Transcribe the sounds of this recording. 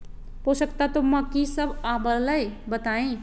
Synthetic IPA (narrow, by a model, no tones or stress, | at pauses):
posəkt̪at̪oməkisəbʱabələjbət̪aĩ